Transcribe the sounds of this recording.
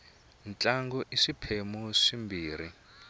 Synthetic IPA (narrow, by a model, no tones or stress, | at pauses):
nt͡ɬʼaŋɡɔʔiʂipʰemuʂimbiːɾ̤i